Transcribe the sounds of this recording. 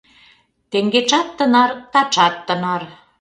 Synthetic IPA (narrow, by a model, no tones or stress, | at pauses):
t̪eŋɡet͡ʃɑt̪ːə̆nɑrt̪ɑt͡ʃɑt̪ːənɑr